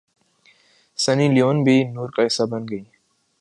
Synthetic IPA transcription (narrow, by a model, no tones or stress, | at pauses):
səniːlijoːnbʱiːnuːɾkaɦɪsabənɡəiː